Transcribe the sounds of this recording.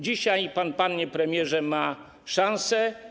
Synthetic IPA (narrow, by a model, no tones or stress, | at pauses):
d͡ʑiɕajpanpanɲɛpɾɛmʲjɛʐɛma | ʂãñsɛ